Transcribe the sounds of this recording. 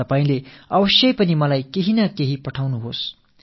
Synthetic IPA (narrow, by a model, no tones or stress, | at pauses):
ʌpaĩleʌbʌsjʌjpʌnimʌlajkeɦinʌkeɦipʌʈʰawnuɦos